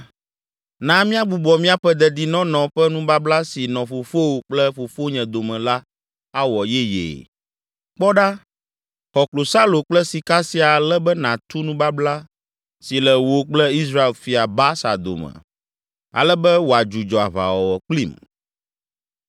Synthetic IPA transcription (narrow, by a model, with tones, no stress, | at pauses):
nã˦mĩ˦a˦ɡ͡bu˨bɔ˨mĩ˦a˦ɸɛ˦d̪ɛ˦d̪i˨nɔ̃˦nɔ̃˨ɸɛ˦nũ˦ba˦bla˦si˨nɔ̃˨ɸo˨fo˦wo˨k͡plɛ˦ɸo˨fo˦ɲɛ̃˨d̪o˨mɛ̃˨la˦ | a˦wɔ˨jɛ˦jḛː˨ | k͡pɔ˦ɖa˦ | xɔ˨klo˨sa˦lo˨k͡plɛ˦si˨ka˦si˨˦a˨lɛ˦bɛ˦nã˨t̪u˦nũ˦ba˦bla˦ | si˨lɛ˨wo˨˦k͡plɛ˦i˦s̬ɾa˦e˨lfi˨a˨ba˦sa̰˨d̪o̰˨mɛ̰̃˨ | a̰˨lɛ˦bɛ˦wo˨a˨d͡ʒu˨d͡ʒɔ˨a̰˨βa̰˨wɔ˨wɔ˨k͡plḭ˦˨m